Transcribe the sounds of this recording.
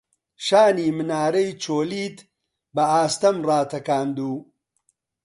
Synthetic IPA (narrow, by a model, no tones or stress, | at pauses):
ʃaːniːmɨnaːɾɐjt͡ʃʰoːliːt̪ | bɐaːst̪ɐmraːt̪ʰɐkaːnd̪uː